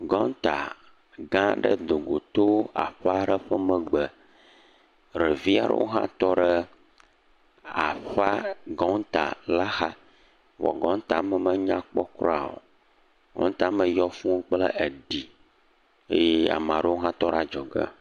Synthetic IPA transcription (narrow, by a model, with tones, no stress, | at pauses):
ɡɔ̃˦n˦t̪a˨ | ɡã˦ɖə̰˦d̪o˨ɡo˨t̪o˦a̰˨ɸa˦ɖə˦ɸə˦mə̃˨ɡ͡bə˨ | ɾə˨vi˦a˨ɖə̰˦wʔo̰˦ɦã̰˦t̪ɔ˦ɖə˦ | a˨ɸa˦ɡɔ˦n˦t̪a̰˨la˦xa˦ | wɔ̰˨ɡɔ̃˦n˦t̪a˨mə˨mə̃˦ɲã˦k͡pɔ˦kɾɔ˦a˨wo̰˨ | ɡɔ̰̃˦n˦t̪a˨mə̃˨jɔ˦fũ˦k͡plə˦ʔe˨ɖi˨ | e˦je˦a̰˨mã˨ɖə˦wo˦ɦã˦t̪ɔ˦ɖa˦d͡ʒɔ˨ɡə̰˦